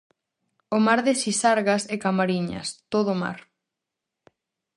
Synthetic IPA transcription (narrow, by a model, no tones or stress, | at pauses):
omaɾðesisaɾɣasekamaɾiɲɐ̰st̪oðʊma̰ɾ